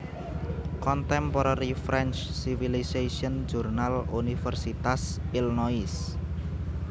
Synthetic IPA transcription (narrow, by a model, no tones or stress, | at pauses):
kɔnt̪ɛmpɔɾaɾifɾɛnt͡ʃsifilisasiɔnd͡ʒurnalunifərsit̪asilnɔis